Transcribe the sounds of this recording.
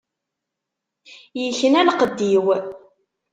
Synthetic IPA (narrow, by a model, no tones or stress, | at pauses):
jəçənælqəd̪ːiw